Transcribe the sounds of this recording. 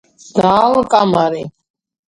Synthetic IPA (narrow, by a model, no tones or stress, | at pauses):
d̪̥aːlkʼamaɾi